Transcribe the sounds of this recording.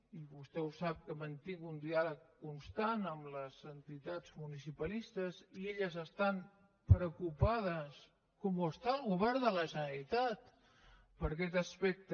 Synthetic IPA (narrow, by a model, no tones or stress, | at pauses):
iβust̪ɛusap̚kəmənt̪iŋɡund̪ialəkːunst̪anəmləzənt̪it̪ad͡zmunisipəlist̪əzieʎəzəst̪an | pɾəkupað̞əs | kɔmuəst̪aəlˠɣuβɛɾðələʒənɾit̪at̪ | pəɾkɛt̪əspɛk̚t̪ə